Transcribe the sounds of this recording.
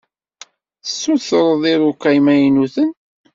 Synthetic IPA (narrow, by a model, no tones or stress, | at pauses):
θəsːuθɾˤəðˤiɾukːæjmæjnuθən